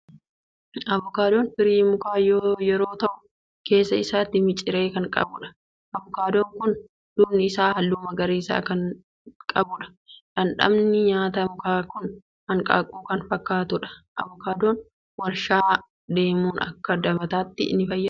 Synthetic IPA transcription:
ɐβɔkaːd̪oːnbɪɾiːmʊkaːjoːjɛɾo̞ːt̪ɐʔʊ̥ | ke̞ːsːɐɪsaːt̪ːɪmɪt͡ʃʼːɪɾe̞ːkɐŋkʼɐ̰bʊᶑɐ̥ | ʔɐbɔkaːd̪oːŋkʊn | d̪̥ʊbnɪɪsaːhɐlːuːmɐɡɐɾiːsa̰ːkɐn | kʼɐbʊᶑɐ̥ | ᶑɐnᶑɐ̰mnɪɲaːt̪ɐmʊkaːkʊn | hɐŋkʼa̰ːkʼuːkɐnfɐkːaːt̪ʊᶑɐ̥ʔɐ̰βɔkaːd̪oːn | wɐɾʃaː | d̪e̞ːmuːnɐ̰kːɐd̪ɐmɐt̪aːt̪ːɪ̰nːɪfɐjːɐ

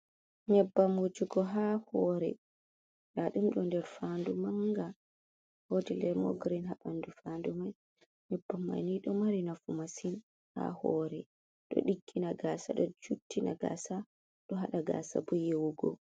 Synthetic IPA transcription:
ɲɛbːamud͡ʒuɡɔɦahɔɾɛ̰ | laɗumɗɔndɛɾfandumaŋɡa | hodilɛmɔ̰ɡɾinɦaɓandufandumaj | ɲɛbːamːa̰jniɗɔmaɾinafumasin | ha̰hɔɾɛ | ɗɔ̰ɗiɡːinaɡaːsa̰ɗɔt͡ʃutːina̰ɡa̰sa | ɗɔɦaɗaɡa̰ːsa̰bujewuɡɔ̰

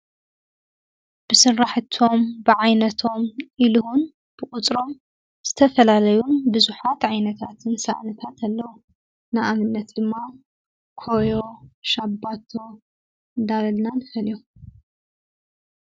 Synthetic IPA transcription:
b̥ɨsɨnɾaħt̪ʰo̞mbɨʕajnɐt̪ʰo̞mʔiluhun | b̥ɨkʼut͡sʼɾo̞m | z̥ɨt̪ʰɐfɐlalɐjunbɨzuħat̪ʕajnɐt̪ʰat̪ʰɨnsa̰ʔnɐt̪ʰat̪ʰalːɐwu | naʔamɨnːɐt̪d̪ɨmːa | kʰojoʃabːat̪ʰo̞ | d̪alɐlnanɨfɐliju

